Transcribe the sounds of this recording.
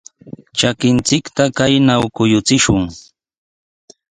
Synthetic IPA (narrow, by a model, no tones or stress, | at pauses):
t͡ʃakɪnt͡sɪkt̪akajnawkʊjʊt͡sɪʃʊŋ